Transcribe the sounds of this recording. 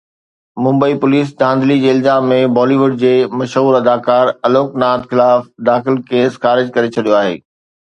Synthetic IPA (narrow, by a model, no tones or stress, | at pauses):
mʊ̃mbəipʊliːs̬d͡ʑãːnd̪lid͡ʑeːɪlzaːmːẽbɔːliʋʊɖ̚d͡ʑeːmɐʃɦuːɾɐd̪aːkaːɾɐloːknaːt̪xɪlaːfd̪aːxɪlkeːsxaːɾɪd͡ʑkɐɾet͡ɕʰɐɗijoaːɦḛː